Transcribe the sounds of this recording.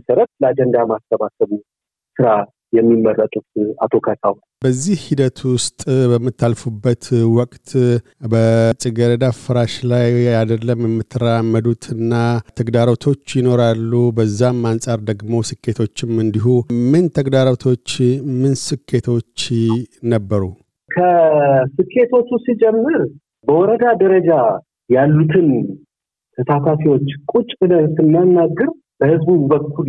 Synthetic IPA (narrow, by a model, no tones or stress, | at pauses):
məsəɾət̪̚ləad͡ʒɛnd̪amast̪ʰəβasəβu | sɨɾa | jɛmːimːərːət̪ʼut̪a̰t̪ʰo̞kʰat̪ʰʼawn | bəzːihhid̪ət̪ʰwʊst̪ʼbəmːɨt̪ʰːalfubːət̪wɔkʼt̪ʰ | bət͡ʃʼiɡəɾed̪afɨɾaʃlajad̪əlːəmjɛmːɨt̪ʰːɨɾamːəd̪ut̪ʰɨnːat̪ʰəɡd̪aɾot̪ʰo̞t͡ʃːjɪno̞ɾalːubəzːamːansʼaɾd̪əɡmo̞sɨkːe̞t̪ʰo̞t͡ʃːɪmɨnd̪iɦumɨnt̪ʰəɡd̪aɾəwt̪ʰo̞t͡ʃːmɨnsɨkʰːe̞t̪ʰo̞t͡ʃːnəbːəɾu | kʰəsɨkʰːe̞t̪ʰo̞t͡ʃːusid͡ʒɛmːɨɾ | bəwɔɾəd̪ad̪əɾəd͡ʒa | jalːut̪ʰɨn | t̪ʰəsat̪ʰafiwo̞t͡ʃːkʼut͡ʃʼɨd̪ət̪ːɨmːanːaɡːɨɾ | b̥əhɨzbubəkʰːul